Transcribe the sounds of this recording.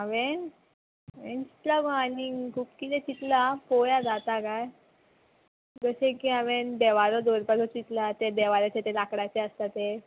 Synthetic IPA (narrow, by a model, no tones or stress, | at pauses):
aʋẽn | ʋent͡ɕi̥t̪lakɔanikʰuːpkit̪ɛt͡ɕit̪lapojad͡zat̪akaj | ɡəsẽkiaʋend̪ɛʋaɾɔd̪oɾpasʰɔt͡ɕit̪lat̪ed̪ɛʋaɾat͡ɕet̪elakɽat͡ɕeəst̪at̪e